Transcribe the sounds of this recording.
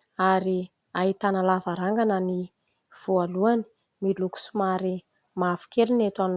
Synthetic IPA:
aɾi | ait̪analavaɾaŋɡanəni | v̥ualuani̥ | miluku̥sumaɾi | mafu̥kelunet̪an

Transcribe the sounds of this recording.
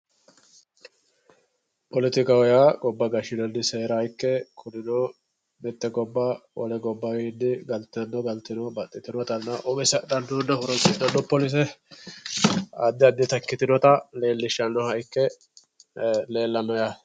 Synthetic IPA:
pɔlɪt̪ɪkɐwɔjaɡɔbːɐɡɐʃɪnɔnːɪseːɾɐjkːɛkʰʊd̪ɪnoː | mɛt̪ːɛɡɔbːɐwɔlɛɡɔbːɐɡid̪ːɪɡɐlt̪ɪɐnːɔɡɐlt̪ɪnobɐt̪ʼːɪt̪ɪnɔt̪ɐnːɐʔɔbɛsɛd̪ɐnd̪uːnːɐhʊɾɔtʼːɪnɐnːɔpːɔlis̬ɛ | ɐ̰d̪ːɪɐd̪ːɪt̪ɐkːɪt̪ɪnɔt̪ɐle̞ːlːɪʃːɐnːɔhɐjkːɛ | le̞ːlːɐmɐja

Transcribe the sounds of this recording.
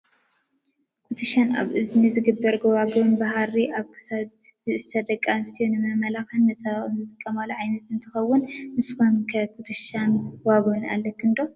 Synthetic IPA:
kʰut̪ʰɨʃana̰βʔɨznizɨɡɨbːɐɾɡɐwaɡonbaɦaɾiʔaβkʰɨ̥sad̪ | zɨɨst̪ʰɐd̪ɐkʼːamst̪ʰijonɨmɐmɐlaxɐnːɐt̪ʰanzɨt̪ʼɨkʼːɐmaluʕajnɐt̪ɨnt̪ʰɨxɐwːʊnmɨskʰonkʰɐkʰut̪ʰɨʃanwaɡona̰lːɐkʰɨnd̪o̞

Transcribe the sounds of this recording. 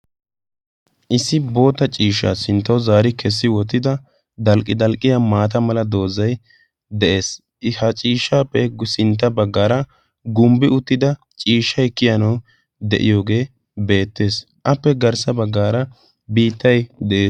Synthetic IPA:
ʔɪsːɪbo̞ːt̪ːɐt͡ʃʼiːʃːa̰ːsɪnt̪ːɐwzaːɾɪkʰɛsːɪwɔt̪ːɪd̪ɐ | d̪ɐlkʼːɪd̪ɐlkʼːɪjamaːt̪ɐmɐlɐd̪o̞ːzɐj | d̪ɛʔe̞ːs | hɐt͡ʃʼiːʃːaːpːɛɡsɪnt̪̬ːɐbɐɡːaːɾɐ | ɡʊmbɪʊt̪ːɪd̪ɐ | t͡ʃʼiːʃːɐjkːɪjɐnɐw | d̪ɛ̰ʔɪ̰jo̞ːɡe̞ː | be̞ːt̪ːe̞ːs | ʔɐpːɛɡɐɾsɐbɐɡːaːɾɐ | biːt̪ːɐjd̪ɛʔeːs

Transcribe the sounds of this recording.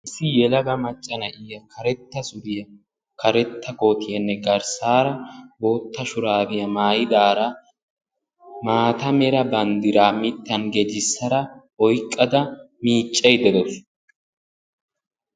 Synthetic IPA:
ʔɪsːɪjɛlɐɡɐmɐt͡ʃʼːɐnɐʔɪjɐkʰɐɾɛt̪ːɐsʊd̪ɪjɐ | kʰɐɾɛt̪ːɐɡoːt̪ɪjɐnːɛɡɐɾsaːɾɐboːt̪ːɐʃʊɾaːbɪjɐmaːjɪd̪aːɾɐ | maːt̪ɐmɛɾɐbɐnd̪ɪɾaːmɪt̪ːɐnɡed͡ʒɪsːɐɾɐ | ɔjkʼːɐd̪ɐ | miːt͡ʃʼːɛjd̪ɛd̪ɔs

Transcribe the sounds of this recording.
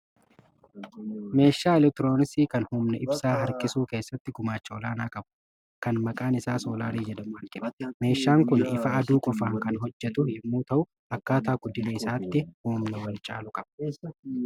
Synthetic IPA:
me̞ːʃːaːɪlɛk̚t̪ɪɾo̞ːnɪsiːkɐnhuːmnɐʔɪbsaːɦɐɾkʼɪsuːke̞ːsːɐt̪ːɪɡʊmaːt͡ʃːɐɔlaːnaːkʼɐbʊ | kɐnmɐkʼaːnɪsaːso̞ːlaːɾiːd͡ʒɛd̪ɐmʊɐŋkʼɪbme̞ːʃːaːŋkʊnɪfɐɐd̪uːkʼɔfaːŋkɐnɦɔd͡ʒːɛt̪ʊhɪmːuːt̪ɐʔʊ | ɐkːaːt̪aːɡʊd̪ɪneɪsaːt̪ːɪhuːmnɐwɐlt͡ʃʼa̰ːlʊkʼɐb̥ɐ̥

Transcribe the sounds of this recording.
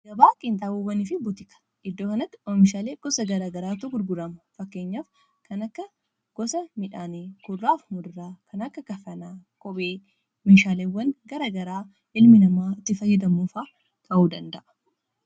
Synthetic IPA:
ɡɐbaːkʼɪnt̪ʼaːbuːwːɐnɪfɪbʊt̪ɪkɐ̥ | ʔɪd̪ːoːkɐnɐt̪ːɪɔmɪʃaːleːɡ̥ɔsɐɡɐɾaːɡɐɾaːt̪ʊɡʊɾɡʊɾɐmɐfɐkːeːɲːaːf | kɐnɐkːɐ | ɡ̥ɔsɐmɪᶑaːneːkʊrːaːfmʊd̪ʊɾaːkʰɐnɐkːɐkɐfɐnaːkʼɔbeː | meːʃaːlewːɐŋɡɐɾaːɡɐɾaː | ɪlmɪnɐmaːɪt̪ːɪfɐjːɪd̪ɐmuːfaː | t̪ʰɐʔuːd̪ɐnd̪ɐʔ

